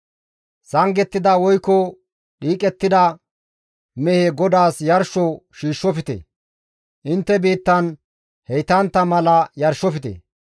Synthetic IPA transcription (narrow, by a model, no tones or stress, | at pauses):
sɐŋɡɛt̪ːɪd̪ɐwɔjkːɔ | ɗiːkʼɛt̪ːɪd̪ɐ | mɛheɡɔd̪aːsjɐɾʃɔʃiːʃːɔfɪt̪ɛ̰ | ʔɪnt̪ːɛbiːt̪ːɐn | hɛjt̪ɐnt̪ːɐmɐlɐjɐɾʃɔfɪt̪ɛ̰